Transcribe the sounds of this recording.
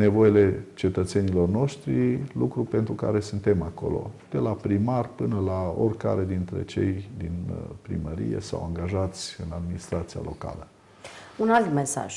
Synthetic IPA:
ne̞vo̞jele̞t͡ʃe̞t̪ət̪se̞nilo̞rno̞ʃt̪ɾilukɾupe̞nt̪ɾuka̰ɾe̞sɨnt̪e̞mako̞̰lo̞̰d̪̥e̞lapɾimarpɨnəlao̰rʲka̰ɾe̞d̪int̪ɾe̞̰t͡ʃe̞̰jd̪inpɾḭməɾḭjḛsa̰waŋɡaʒat̪sʲɨnad̪minist̪ɾat̪sija̰lʔo̞ka̰lə | unalt̪mesa̰ʒ̥

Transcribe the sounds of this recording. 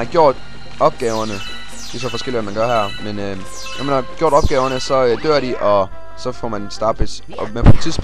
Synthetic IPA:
ɑ̈ɡ̥jo̝ɐ̰d̥ | ɒ̽b̥̚ɡ̥ɛːʊɐnə | d̥e̝s̬ɒ̽fɒ̽sɡ̥el̰iʋæmænɡ̥ɶɐɦæɐ̰menø | jɒmænhɑ̈ɡ̥jo̝ɐd̥ɒ̽b̥ɡ̥ɛːʊɐnəsɒ̽ød̥øɐɾiʔɒ̽ | sɒ̽fɒmænsd̥ɑ̈ːd̥̚b̥es | ɒmepʰɒt͡sʰḭsb̥

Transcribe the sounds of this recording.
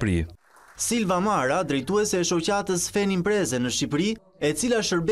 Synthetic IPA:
ɾḭ | silvamaɾad̪ɾɛjt̪uɛsɛʃɔcat̪əsfɛnimpɾɛzɛnəʃip̬ɾi | ɛt͡silaʃəɾb

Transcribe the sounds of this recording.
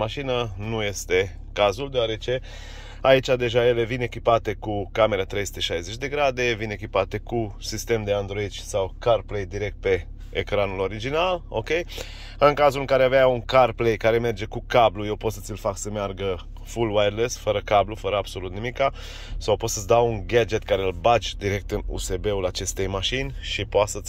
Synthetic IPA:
maʃinənuje̞st̪e̞ | kazuld̪eoaɾe̞t͡ʃe̞ | ait͡ʃʲad̪e̞ʒaje̞le̞vine̞kʲipat̪e̞kukame̞ɾat̪ɾe̞jsu̥t̪eʃajzet͡ʃʲd̪e̞ɡɾad̪e̞vine̞kʲipat̪e̞kusist̪e̞md̪e̞and̪ɾo̞id̪ʃʲsawkarple̞jd̪iɾe̞k̚t̪̚pe̞ː | kɾanulo̞ɾid͡ʒinalo̞̰kʲe̞j | ɨŋkazulɨŋkaɾeaveauŋkarplejkaɾe̞me̞rd͡ʒe̞kukabluje̞wpo̞t̪sə̥t̪sʲilfaksəmearɡə | fulwajd̪lesfəɾəkablufəɾəabso̞lut̪nimika | sawpo̞t̪sət̪t͡s̪ʲd̪awuŋɡad͡ʒe̞t̪kaɾeɨlbat͡ʃʲd̪iɾe̞k̚t̪ɨnṵse̞be̞ulat͡ʃe̞st̪e̞jmaʃinʲʃipoat̪sət̪sʲ

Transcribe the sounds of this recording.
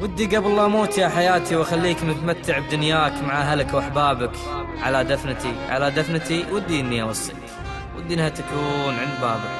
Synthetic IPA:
wɪd̪ːiɡabɑlˤːɑːmoːt̪jaħajaːt̪iwaxalːiːkmɪt̪mat̪ːɪʕb̚d̪ʊnjaːkmaʕaɦalakwʔaħbaːbɪk | ʕalad̪afnt̪iʕa̰lad̪afnt̪iwɪd̪ːiʔɪnːiʔawɑsˤːḭlk | wʔɪd̪ːinhat̪akuːnʕɪnd̪baːbɪ

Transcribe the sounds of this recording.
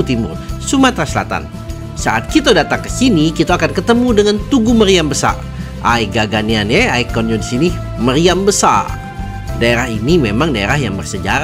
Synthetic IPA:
t̪imʊ̰rsumat̪ɾasəla̰t̪a̰n | sa̰ʔat̪̚kit̪adat̪aŋkəsinikit̪aakankət̪əmudəŋant̪uɡuməɾiambəsa̰r | ʔaiɡaɡanianjɛaikɔnjudisini | məɾiambəsa̰r | daeɾahinimemaŋdaḛɾaɦjaŋbərsəd͡ʒa̰ɾa

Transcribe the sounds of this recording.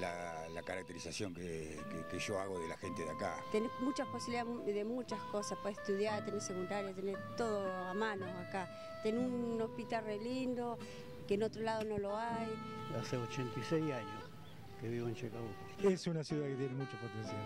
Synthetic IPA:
la̰lakaɾak̚t̪eɾisasjoŋke | kekeʒoaɣoðela̰xent̪eðja̰ka̰t̪enemut͡ʃahposiβiliðaðemut͡ʃaskosahpoeht̪uðjaɾt̪enesekund̪aɾjat̪eneɾt̪oðoamanoaka | t̪enuohpit̪alrelind̪o | keːnot̪ɾolað̞onoloaj | aseot͡ʃent̪isejaɲos | keβiβoent͡ʃekaβut | esunasjuðaket̪jenemut͡ʃapapesa

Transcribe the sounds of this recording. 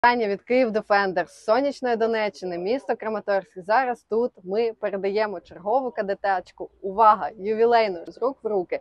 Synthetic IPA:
ɑnʲːɐʋʲid̪kɪiwd̪efɛnd̪ersːɔnʲːit͡ʃnɔjid̪ɔnɛt͡ʃːɪnɪmʲist̪ɔkɾɐmɐt̪ɔrsʲkʲizɑɾɐst̪ut̪mɪpeɾed̪ɐjɛmɔt͡ʃerɦɔʋʊkɐd̪et̪ɑt͡ʃkʊʊʋɑɦɐjʊʋʲilˠɛjnʊzrukʋrukɪ

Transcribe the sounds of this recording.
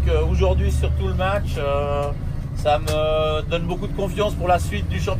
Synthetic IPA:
køoʒuʁd̪ɥisyʁt̪uləmat͡ʃø | saməd̪ɔnbokud̪əkɔ̃fjɑ̃spuʁlasɥit̪̚d̪yʃɑ̃p

